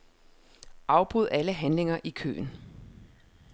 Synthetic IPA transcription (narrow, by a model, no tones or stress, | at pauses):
ʔɑ̈ʊb̥ʁuð̞̰ˠæləɦænle̝ŋɐʔikʰø̰ːn